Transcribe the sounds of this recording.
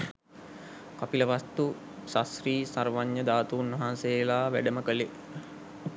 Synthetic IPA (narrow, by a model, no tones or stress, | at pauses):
kapiləʋast̪u | sasriːsarʋaɲːəd̪aːt̪uːnʋɐɦanseːlaːʋæɖəməkəle